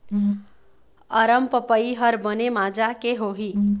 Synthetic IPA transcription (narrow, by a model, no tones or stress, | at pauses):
əɾəmpəpəiɦəɾbənemad͡ʒakeɦoɦi